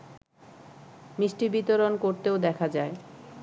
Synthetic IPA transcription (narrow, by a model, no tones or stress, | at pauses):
miʃʈibit̪oɾonkoɾt̪eod̪ɛkʰad͡ʑae